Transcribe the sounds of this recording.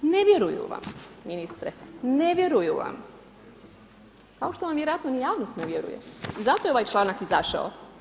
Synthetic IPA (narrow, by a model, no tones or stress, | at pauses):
neʋje̞ɾujṵʋa̰mːminist̪ɾeneʋjeɾujṵʋa̰m | kao̞ʃt̪oʋamʋjeɾoat̪nonijaːʋnost̪neʋjeɾṵjḛizat̪ojeo̞ʋajt͡ʃlˠaːnakizaʃa̰o̰